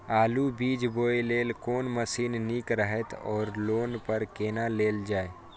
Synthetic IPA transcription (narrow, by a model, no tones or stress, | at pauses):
aːlubiːd͡ʒboːeleːlkoːnməsiːnniːkɾəɦɛt̪ɔ̰ːɾloːnpəɾkeːnaleːld͡ʒaːeː